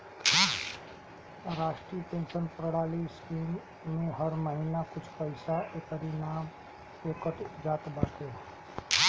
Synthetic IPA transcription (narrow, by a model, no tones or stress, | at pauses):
ɾaːʃʈɾiːəpẽːnʃənpɾɽaːliskiːmː | ẽɦəɾməɦinakʊt͡ʃʰpəɪsaʔekəɾinaːm | ekəʈd͡ʒaːt̪bəɾt̪e